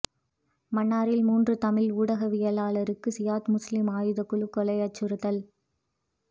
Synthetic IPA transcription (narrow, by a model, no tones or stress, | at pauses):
mɐɳːaːɾɪlmuːndrɯt̪ɐmɪluːɽɐɣɐʋɪjɐlaːlɐɾɯkːɯsɪjaːt̪mʊslɪmaːjɯðɐkːʊɭɯkːɔlɐjɐt͡ʃːɯɾɯðɐl